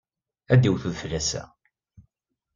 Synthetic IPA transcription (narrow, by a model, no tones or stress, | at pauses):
æd̪iwθuðflːæsæ̰